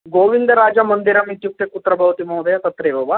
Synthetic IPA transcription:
ɡoʋind̪ɐɾaːd͡ʒamənd̪iɾɐmit̪juk̚t̪ekut̪ɾɐbɐʋt̪imɐwd̪ɐjat̪ɐt̪ɾeʋɐʋa

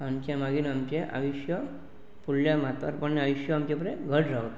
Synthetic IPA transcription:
amt͡ɕjamaɡiːnamt͡ɕeʔa̰ʋiɕjə | puɽljamat̪ə̰ɾpəɳnaʋiɕjəamt͡ɕapɾeɡʱəɽɾawt̪

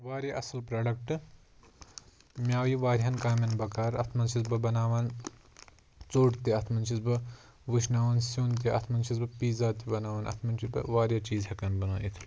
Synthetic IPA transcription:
ʋaːɾɐʔɐsɐlpɾaːɖɐkʈɨ | mʲjaːwiʋaːɾʲɦɐnkaːmʲɐnbɐkaːɾɐt̪ʰmɐnt͡ʃʰizbɐbɐnaːʋaːn | t͡soːʈt̪iɐt̪ʰmɐnt͡ʃʰizbɐ | ʋɨʃnaːʋɐnsoːnt̪̬iɐ̰t̪ʰmɐnt͡ʃʰizbɐpiːzaːt̪ibɐnaːʋɐːnʔɐ̰t̪ʰmɐnt͡ʃʰisbɐ̰ʋaːɾʲjat͡ʃiːzhɐkɐnbɐnuːʔḭt̪ʰ

